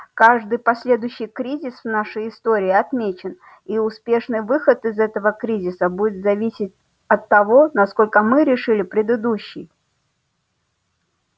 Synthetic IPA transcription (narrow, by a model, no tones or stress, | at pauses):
kaʐd̪ɨjpɐsʲlʲe̞d̪ʊjɕːɪjkɾʲizʲɪsvnaʂəjɪst̪oɾʲɪːɐt̪mʲet͡ɕɪn | iʊspʲe̞ʂnɨjvɨxət̪ɨzɛt̪əvəkɾʲizʲɪsəbud͡zʲɪt̪zɐvʲisʲɪtʲ | ɐt̪ːɐvo̞nɐsko̞lʲkəmɨɾʲɪʂɨlʲɪpɾʲɪd̪ɨd̪uɕːɪj